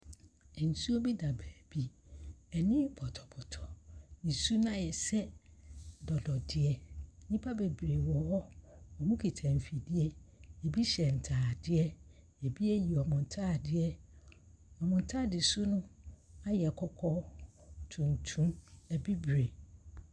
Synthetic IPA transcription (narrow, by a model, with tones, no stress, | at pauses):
n̩˨su˦o˦bi˦da˨bæː˨b̥i˦ɛ˨nɪ̃˦bɔ˨tʰɔ˨bɔ˨tʰɔ̥˨nĩ˨su˦nã˦˨jɛ˨sɛ˦ | dɔ˨dɔ˨dɪ˦ɛ˨˦nĩ˦pʰa˦be˨bɾe˨wɔ˨hɔ˦ɔ˨mũ˦kʰi˨tʰã˨m˨fi˨dɪ˦ɛ˦e˨bi˦ɕɛ˨n̩˨tʰaː˨dɪ˦ɛ˦ | e˨bi˦ɛ˦ji˨ɔ˨mʊ̃˨n˨tʰa˦˨dɪ˦ɛ˦ | ɔ˨mʊ̃˨n̩˨tʰa˦˨dɪ˨su˦nʊ̃˦a˦jɛ˨a˨kʰɔ˦kʰɔ˦tʰũ˨n˨tʰũ˦mɛ˨bi˦bɾe˨